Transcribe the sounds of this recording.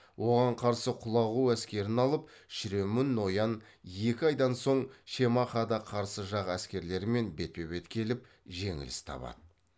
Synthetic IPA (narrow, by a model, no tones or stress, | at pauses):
wʔo̞ʁɑɴqʰɑɾsəqʰʊlˠɑʁuæskʲe̞ɾɪnɑlˠəp̚ | ʃɪɾe̞mɪnːo̞jɑn | je̞kʲɪɑjd̪ɑnso̞ɴʃe̞mɑχɑd̪ɑqʰɑɾsəʒɑʁæskʲe̞ɾle̞ɾɪme̞nbe̞t̪̚pe̞βe̞t̪kʲʰe̞lɪp̚ | ʒe̞ŋɪ̰lɪst̪ʰɑ̰pɑ̰d̪̥ə